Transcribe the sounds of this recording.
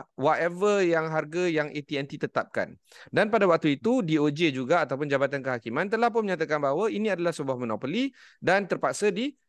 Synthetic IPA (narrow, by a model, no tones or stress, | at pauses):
wat̪ɛvəjaŋɦarɡajaŋʔet̪iɛnt̪it̪ət̪ap̚ka̰n | danpadawak̚t̪uit̪udiod͡ʒed͡ʒuɡaːt̪awp̬ʊnd͡ʒabat̪ankəɦakimãnt̪əlahp̬ʊnməɲat̪akanbaɦwainĩadalahsəbuahmɔnopoli | dant̪ərpak̚sadi